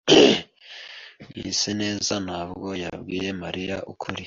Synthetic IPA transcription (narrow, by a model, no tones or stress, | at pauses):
ɡḭsene̞ːzanabɡo̞ja̰bɡiːje̞maɾijaʔukʰuɾi